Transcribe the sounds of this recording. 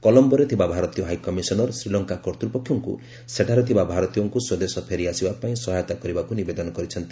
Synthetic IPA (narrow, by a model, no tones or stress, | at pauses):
kɔlɔmbɔɾet̪ʰibabʱaɾɔt̪ijɔɦajkɔmisɔnɔɾsɾilɔŋkakɔɾt̪ɾipɔkʰjɔŋkṵ | seʈʰaɾet̪ʰibabʱaɾɔt̪ijɔŋkuswed̪esɔpʰeɾiasibapaĩsɔɦajɔt̪akɔɾibakunibed̪ɔnɔkɔɾit͡ʃʰɔnt̪i